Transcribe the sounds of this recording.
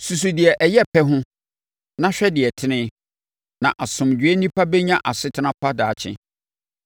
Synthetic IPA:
su˨s̬u˨dɪ˨ɛ˨ʔɛ˨jɛ˦pʰɛ˦ɦʊ̃˦ | nã˦ɕᶣɛ˦dɪ˨ɛ˨tʰɪ˦nɪ̃˦ | nã˨ʔa˨sʊ̃˨md͡ʑᶣɥe˦nĩ˦pʰa˦bɛ˦ɲã˦ʔa˨sɪ˦tʰɪ˦nã˦pʰa˦daː˨t͡ɕʰɪ̰̃˦

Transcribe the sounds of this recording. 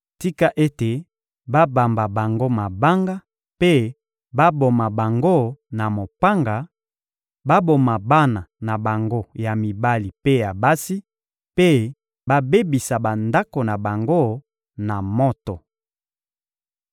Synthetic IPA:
ti˦ka˦ʔe˦te˨ | ba˦ba˨mba˨ba˨ŋɡo˦ma˨ba˦ŋɡa˦ | pe˦ | ba˦bo˨ma˨ba˨ŋɡo˦˨na˨mo˨pa˦ŋɡa˨ | ba˦bo˨ma˨ba˦na˨na˨ba˨ŋɡo˦ja˨mi˨ba˦li˨pe˦ja˨ba˦si˦ | pe˦ | ba˦be˦bi˨sa˨ba˨nda˦ko˨na˨ba˨ŋɡo˦ | na˨mɔ˦tɔ˨

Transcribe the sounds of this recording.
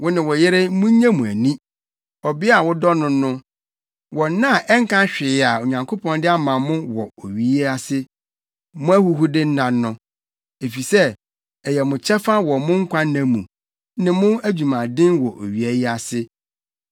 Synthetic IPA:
wɔ˦nɪ̃˨wɔ˨jɪ˦ɾɪ˦mʊ̃˦ɲ˦ɲã˦mũ˨æ˨nĩ˦ | ɔ˨bɪ˦a˨wɔ˦dɔ˦nʊ̃˦nʊ̃˦ | wɔ˨n˦nã˦˨ʔɛ˦ŋ̩˦kʰã˦ɕᶣɪ˨a˨o˨ɲã˨ŋkʰo˦pʰɔ̃˦ndɪ˦a˦mã˨mʊ̃˦wɔ˨o˨ɥi˨e˦a˨sɪ˦ | mʊ̃˦æ˦hu˦ɦu˦dɪ˦n̩˦nã˨n˦nʊ̃˦ | e˨fi˨sɛ˦ | ɛ˨jɛ˨mʊ̃˨t͡ɕʰɛ˦fa˦wɔ˨mʊ̃˦ŋ̩˦kʷʰa˦nã˦mṵ̃˨ | nɪ̃˨mʊ̃˦æ˦d͡ʑᶣu˨mã˨dɪ̃˦nwɔ˨ʔo̰˨ɥi˨æ˨jɪ˦a˨sɪ˦

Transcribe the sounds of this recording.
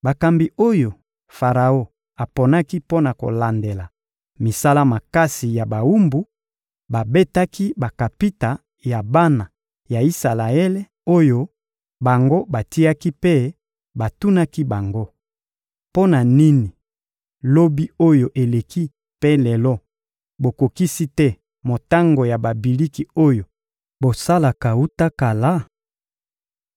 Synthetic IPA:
ba˨ka˨mbi˨o˦jo˨ | fa˨ʁa˨o˦ | a˨po˨na˦ki˦po˦na˨ko̰˨la˨nde˨la˨ | mi˨sa˦la˦ma˨ka˦si˨ja˨ba˨wu˦mbu˨ | ba˨be˦ta˦ki˦ba˨ka˨pi˦ta˨ | ja˨ba˦na˨ | ja˨i˦sa˨la˨e˦le˦ | o˦jo˦ | ba˨ŋɡo˦ba˨ti˦a˦ki˦pe˦ | ba˨tu˦na˦ki˦ba˨ŋɡo˦ | po˦na˨ni˦ni˨ | lo˦bi˦o˦jo˨ʔe˨le˨ki˦ | pe˦lɛ˨lɔ˦ | bo˨ko˨ki˦si˦tɛ˦ | mo˨ta˦ŋɡo˨ja˨ba˨bi˨li˦ki˨o˦jo˨ | bo˨sa˦la˨ka˨u˦ta˦ka˨la˦

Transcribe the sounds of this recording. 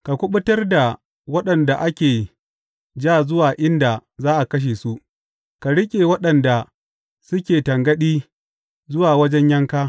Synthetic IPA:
ka˨kʷʊ˦ɓʊ˦tɐ˦rda˨ | wɐ˦ɗɐ˨nda˨ʔa˦kʲeː˨ | d͡ʒaː˦˨zʊ˦waː˨ʔɪ˦nda˨zaː˦ʔa˨kɐ˦ʃ̬eː˨su˦ʔ | ka˨ɽɪ˦kʲʼeː˨wɐ˦ɗɐ˨nda˨ | sʊ˦kʲeː˨tɐ˨ŋɡɐ˦ɗiː˦ | zʊ˦waː˨wɐ˦d͡ʒɛ˦ɲjɐ˦ŋkaː˦

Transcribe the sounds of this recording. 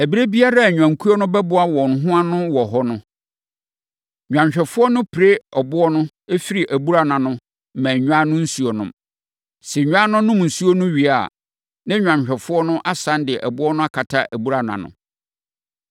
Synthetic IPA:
æ˨bi˦ɾe˦bi˦a˦ɾa˦˨ɲᶣ˨ã˨ŋ˨kʰu˦ɔ˦nʊ̃˦bɛ˦bʊ˦a˦wɔ̃˨n˨ɦʊ̃˦a˦nʊ̃˦wɔ˨ɦɔ˦nʊ̃˦ | ɲᶣã˨ɲ˨ɕᶣɛ˨fʊ˦ɔ˦nʊ̃˦pʰɪ˨ɾe˦ɔ˨bʊ˦ɔ˦nʊ̃˦ | e˦fi˦ɾi˨ʔæ˨bu˦ɾa˦˨nã˨nʊ̃˦ | m̩˨mæ̃˨ɲᶣ˦ã˦nʊ̃˦n̩˦su˨˦o˨nʊ̰̃˨m | sɛ˨ɲᶣ˦ã˦nʊ̃˦nʊ̃˦m˨n̩˨su˦o˦nʊ̃˦ɥi˨a˨ | nã˦ɲᶣã˨ɕᶣɛ˨fʊ˦ɔ˦nʊ̃˦ʔa˦sã˦ndɪ˨ɛ˨ʔæ˨bʊ˦ɔ˦nʊ̃˦a˦kʰa˨tʰa˦ʔæ˨bu˦ɾa˨nã̰˨nʊ̰̃˨

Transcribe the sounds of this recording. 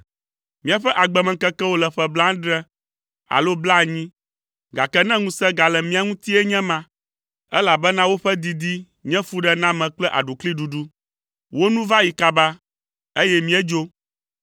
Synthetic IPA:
mĩ˨a˨ɸɛ˦ʔa˨ɡ͡bɛ˨mɛ̃˨kɛ˦kɛ˦wo˦lɛ˨ɸɛ˦blã˦ɖɾɛ˦ | a̰˨lo˦bla˦˨ɲĩ˦ | ɡa˨kɛ˦nɛ̃˦ŋũ˨sɛ˦ɡa˨lɛ˨mĩ˦a˨ŋũ˦t̪i˦ɛ˦ɲɛ̃˦mã˨ | ɛ˦la˨bɛ˦nã˦wo˦ɸɛ˦d̪i˨d̪i˦ | ɲɛ̃˦fu˦ɖɛ˦nã˦mɛ̃˨k͡plɛ˦ʔa̰˨ɖu˨kli˦ɖu˨ɖu˦ | wo˦nũ˦va˦ji˨ka˨ba˦ | e˦jɛ˦mĩ˦ɛ˦d͡ʒo˦

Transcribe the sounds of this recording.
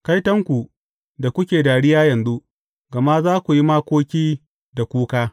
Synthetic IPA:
ka˦jtɐ˦ŋkʷu˨ | da˨kʷʊ˦kʲeː˨daː˨ɽɪ˦jaː˦jɐ˨nzu˦ʔ | ɡɐ˨ma˦zaː˦kʷu˨ji˦maː˦kʷoː˦kʲiː˦ | da˨kʷuː˦kaː˦

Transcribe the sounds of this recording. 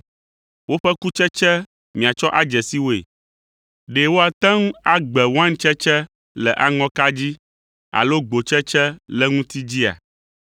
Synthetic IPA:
wo˦ɸɛ˦ku˦t͡ʃɛ˦t͡ʃɛ˦ | mĩ˨a˨t͡ʃɔ˦ʔa˦d͡ʒɛ˨si˦wo˦ḛ˨ | ɖe˨wo˦a˨t̪ã˦ŋũ˦a˦ɡ͡bɛ˨wo˦ã˦ŋ̩˦t͡ʃɛ˦t͡ʃɛ˦ | lɛ˨ʔa˦ŋɔ̃˦ka˦d͡ʑi˦ | a̰˨lo˦ɡ͡bo˨t͡ʃɛ˦t͡ʃɛ˦lɛ˦ŋũ˦t̪i˦d͡ʑi˦a̰˨

